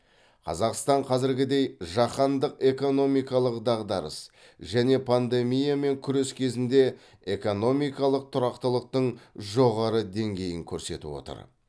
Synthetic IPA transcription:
qʰɑ̰zɑqst̪ɑɴqʰɑzɪɾɡʲɪd̪e̞jʒɑqɑnd̪əqe̞ko̞no̞mijkɑlˠəqd̪ɑʁd̪ɑɾə̰s | ʒæne̞pʰand̪e̞mijame̞ŋkʲʰʏɾeskʲʰe̞zɪnd̪e̞ | e̞ko̞no̞mijkɑlˠəq̚t̪ʰʊɾɑqt̪əlˠəq̚t̪əɴʒo̞ʁɑɾəd̪e̞ŋɡʲe̞jɪŋkʲʰɵɾse̞̰t̪ɪ̰wo̞̰t̪ə̰ɾ

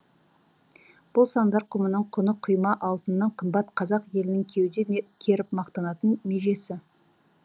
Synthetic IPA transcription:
b̥ʊlˠsɑnd̪ɑɾqʰʊmənəɴqʰʊnəqʰʊjmɑʔɑlˠt̪ənːɑɴqʰəmbɑt̪qʰɑzɑqje̞lɪnɪŋkʲʰe̞wd̪ekʲʰe̞ɾɪp̚mɑqt̪ɑnɑt̪ənme̞ʒe̞sɪ

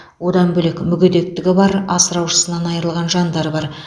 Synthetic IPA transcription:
wo̞d̪ɑnbɵlekmʏɡʲed̪e̞k̚t̪ɪɡʲɪbɑɾɑsəɾɑwʃə̥sənɑnɑjəɾəlˠʁɑnʒɑnd̪ɑɾbɑɾ

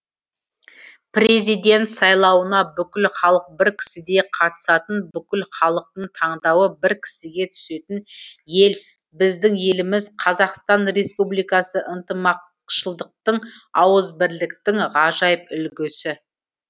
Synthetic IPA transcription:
prʲe̞zijd̪e̞nt̪sɑjlˠɑwənɑbʏkʲɪlχɑlˠəq̚bɪɾkʲʰɪ̥sɪd̪e̞qʰɑt̪ə̥sɑt̪ənbʏkʲɪlχɑlˠəq̚t̪əɴt̪ʰɑɴd̪ɑwəbɪɾkʲʰɪ̥sɪɡʲe̞t̪ʰʏ̥se̞t̪ɪnje̞l | bɪzd̪ɪŋje̞lɪmɪzqʰɑzɑqst̪ɑnɾe̞spublijkɑsəʔənt̪əmɑq | ʃəlˠd̪əq̚t̪əɴɑwəzbɪɾlɪkt̪ɪŋʁɑʒɑjəp̚ʏlɡʲɪsɪ

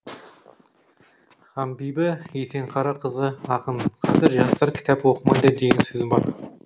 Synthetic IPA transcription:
χɑmbijbɪese̞ŋqʰɑɾɑqʰəzəɑqənqʰɑzɪɾʒɑst̪ɑɾkʲʰɪ̥t̪ʰɑpwoqəmɑnd̪ɑd̪eɡʲɪnsɵzɪmbɑ̰ɾ

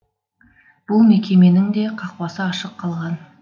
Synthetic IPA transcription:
b̥ʊlˠmekʲʰe̞me̞nɪŋd̪e̞qʰɑqpɑsəɑʃəqʰːɑlˠʁɑn

